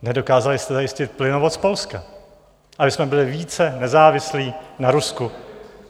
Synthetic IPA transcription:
nɛdo̞kaːzalɪst̪ɛzajɪscɪt̪̚plɪnovot͡sspo̞lska | ʔabɪsmɛbɪlɪviːt͡sɛnɛzaːvɪsliːnaɾusku

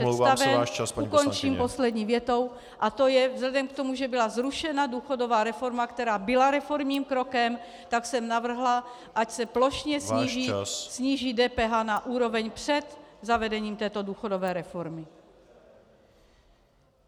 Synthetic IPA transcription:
ɛst̪avɛʃt͡ʃasukont͡ʃiːmposlɛdɲiːvjɛt̪o̞w | ʔat̪o̞jɛvzlɛdɛmkt̪o̞muʒɛbɪlazɾuʃɛnaduːxodovaːɾɛfo̞ɾmakt̪ɛɾaːbɪlaɾɛfo̞ɾmɲiːmkɾo̞kɛm | t̪aksɛmnavr̩ɦla | ʔacsɛplo̞ʃɲɛsɲiːʒissɲiːʒiːdɛːpɛːɦaːnaʔuːɾo̞vɛɲpr̝̥ɛt̪zavɛdɛɲiːmt̪ɛːt̪o̞duːxodovɛːɾɛfoɾmɪ

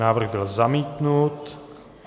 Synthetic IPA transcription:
aːvr̩ɣbɪlzamiːt̪nut̪

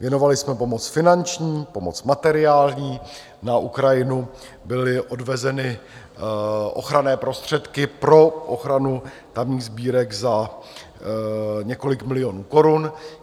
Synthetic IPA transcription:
vjɛno̞valɪsmɛpo̞mo̞t͡sfɪnant͡ʃɲiːpo̞mo̞t͡smat̪ɛɾɪaːlɲiː | naʔukɾajɪnu | bɪlɪʔo̞dvɛzɛnɪ | ʔo̞̰xɾanɛːpɾo̞st̪r̝̥ɛt̪kɪpɾo̞ʔoxɾanu | t̪amɲiːɣzbiːɾɛkza | ɲɛko̞lɪkmɪlɪjo̞nuːko̞ɾun

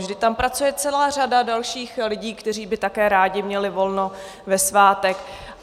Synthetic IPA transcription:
vʒdɪt̪ampɾat͡sujɛt͡sɛlaːr̝adadalʃiːxlɪɟiːkt̪ɛr̝iːbɪt̪akɛːɾaːɟɪmɲɛlɪvo̞lno̞ | vɛsvaːt̪ɛk

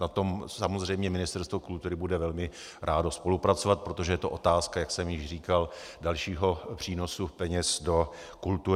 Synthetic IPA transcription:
nat̪o̞msamozr̝ɛjmɲɛmɪnɪst̪ɛɾst̪vokult̪uɾɪbudɛvɛlmɪ | ɾʔaːdospo̞lupɾat͡sovat̪̚pɾo̞t̪o̞ʒɛjɛt̪oʔo̞t̪aːskajaksɛmjɪʃriːkaldalʃiːɦo̞pr̝̥iːno̞supɛɲɛsdo̞ | kult̪u

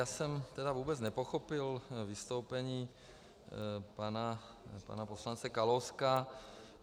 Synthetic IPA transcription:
aːsɛmt̪ɛdavuːbɛt͡snɛpoxopɪlvist̪owpɛɲiː | pana | pa̰naposlant͡sɛkalowska

